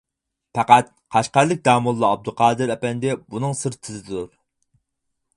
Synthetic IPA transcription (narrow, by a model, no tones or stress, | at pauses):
pæqæt̪̚ | qʰɑʃqæɾlˠɪk̚ʲd̪ɑːmulˠːɑɑb̚d̪uqʰɑːd̪ɨɾɛpɛnd̪ɪbunɨŋsɨɾt̪ʰɪzɪd̪uɾ